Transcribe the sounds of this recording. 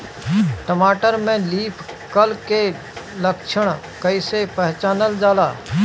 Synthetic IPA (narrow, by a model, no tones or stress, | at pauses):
ʈəmaːʈəɾmẽliːpʰkəlke | ləkʃʰəɽ̃ | kəɪsepəɦt͡ʃaːnəld͡ʒaːlaː